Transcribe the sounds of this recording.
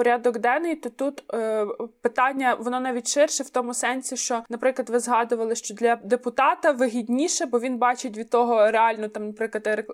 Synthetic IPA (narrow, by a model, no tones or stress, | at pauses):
pɔɾʲad̪ɔɡd̪ɛnɪjt̪ɔt̪ut̪ | pɪt̪ɑnʲːɐʋɔnɔnɑʋʲitʲʃɪrʃɛwt̪ɔmʊsɛnsʲiʃt͡ʃɔnɐpɾɪklˠɐd̪ʋɪzɦɑd̪ʊʋɐlˠɪʃt͡ʃɔd̪lʲɐd̪epʊt̪ɑt̪ɐʋɪɦʲidʲnʲiʃɛbɔʋʲinbɑt͡ʃetʲʋʲid̪̚t̪ɔɦɔɾeɑlʲnɔt̪ɑmnɐpɾɪklˠɐt̪ɾk